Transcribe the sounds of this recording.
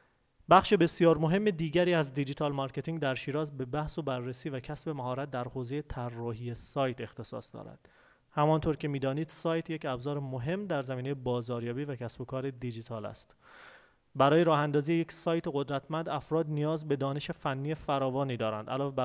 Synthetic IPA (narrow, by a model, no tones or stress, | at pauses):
bæχʃebe̞sjɒːɾmo̞ɦe̞mːe̞d̪iːɟæɾiːæzd̪id͡ʒiːt̪ʰɒːlmɒɾcʰe̞t̪iŋd̪æɾʃiːɾɒːzbe̞bæhso̞bærːesiːvæcʰæsbe̞mæɦɒːɾæt̪̚d̪æɾhoːze̞jet̪ʰærːɒːɦijesɒːjt̪ʰe̞xt̪ʰe̞sɒ̰ːsd̪ɒ̰ːɾæ̰d̪̥ | hæmɒnt̪ʰoɾcʰe̞miːd̪ɒːniːd̪̥sɒːjt̪ʰje̞cʰæbzɒːɾemoɦe̞mːd̪æɾzæmiːnejebɒːzɒːɾjɒːbiːvæcʰæsbo̞kʰɒːɾe̞d̪id͡ʒit̪ʰɒːlæ̰st̪ | bæɾɒːjeɾɒːhænd̪ɒːzijeje̞csɒːjt̪ʰe̞ɣo̞d̪ɾæt̪ʰmænd̪æfɾɒːd̪nijɒːzbe̞d̪ɒːne̞ʃe̞fænːiːefæɾɒːvɒːniːd̪ɒːɾæ̰nd̪ʔælɒːvebæ